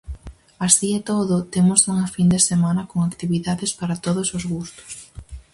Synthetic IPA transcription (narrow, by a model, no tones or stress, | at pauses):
asiet̪oðʊt̪emʊsuŋɐfind̪esemãnɐkoŋakt̪iβiðaðespaɾat̪oð̞osozɣust̪ʊ̥s